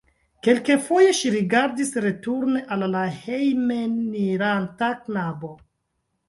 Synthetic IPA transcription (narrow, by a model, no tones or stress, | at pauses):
ke̞lkefo̞je̞ʃiɾiɡaɾdisɾe̞tuɾne̞ʔalːahejmeniɾantaknabo̞